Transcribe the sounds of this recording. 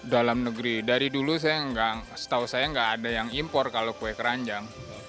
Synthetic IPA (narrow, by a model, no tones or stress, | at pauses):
dalamnəɡɾidaɾidulus̬ajaŋɡasə̥t̪ausajaŋɡaːdajaŋimpɔrkalokuɛkəɾaɲd͡ʒaŋ